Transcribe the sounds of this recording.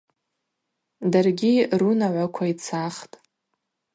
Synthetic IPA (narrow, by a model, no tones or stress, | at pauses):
darɡʲirunaʕʷakʷʰait͡sʰaχtʼ